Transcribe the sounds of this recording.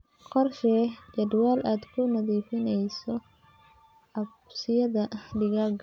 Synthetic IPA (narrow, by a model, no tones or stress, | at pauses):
qɔrʃɛːt͡ʃɐd̪waːlʔaːd̪kʰʊnɐðiːfɪnɛjsɔ | ɐbsɪjɐðɐɖɪɣaɡ